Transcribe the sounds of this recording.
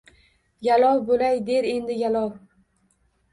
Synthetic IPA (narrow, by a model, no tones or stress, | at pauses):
jalɒwbolajd̪e̞ɾe̞nd̪ɪjalɒw